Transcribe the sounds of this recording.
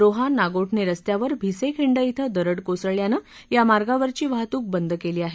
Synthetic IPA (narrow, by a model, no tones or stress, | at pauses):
ɾoɦanaɡoʈʰneɾəst̪jaʋəɾbʱisekʰiɳɖəit̪ʰəd̪əɾəɽkosəɭjanə | jamaɾɡaʋəɾt͡ɕiːʋaɦt̪uːk̚bənd̪ʱəkeliːaɦe